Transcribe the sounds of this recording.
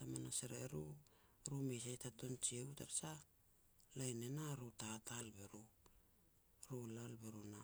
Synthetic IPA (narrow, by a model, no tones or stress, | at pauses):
samanaseɾeɾuɾumesajtato̞nt͡ʃieutaɾsa | lajnenaɾutatalbeɾu | ɾulalbeɾuna